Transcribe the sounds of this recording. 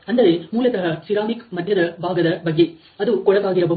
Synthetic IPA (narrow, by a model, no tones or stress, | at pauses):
ɐnd̪ɐɾemuːlɐt̪ɐɦɐsiɾaːmikmɐd̪ʱjɐd̪ɐbʱaːɡɐd̪ɐbɐɡːe̞ | ɐd̪ukɔɭɐʋaːɡiɾɐbɐ